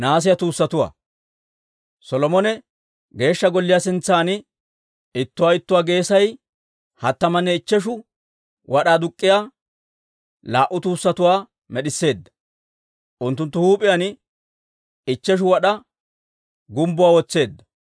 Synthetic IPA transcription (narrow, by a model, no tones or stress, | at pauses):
naːs̬ɪjɐt̪uːsːɐt̪ʊwa̰ː | sɔlɔmɔnɛ | ɡe̞ːʃːɐɡɔlːɪjasɪnt͡sːaːn | ɪt̪ːʊwaːɪt̪ːʊwaːɡe̞ːsɐj | hɐt̪ːɐmɐnːɛɪt͡ʃːɛʃ̬ʊ | wɐɗaːd̪ʊkʼːɪjaː | laːʔʊt̪uːsːɐt̪ʊwaː | mɛɗɪsːe̞ːd̪ːɐ̥ | ʔʊnt̪ːʊnt̪ːʊhuːpʼɪjɐn | ɪt͡ʃːɛʃ̬ʊwɐɗɐ | ɡʊmbʊwaːwɔt͡sːe̞ːd̪ːɐ̥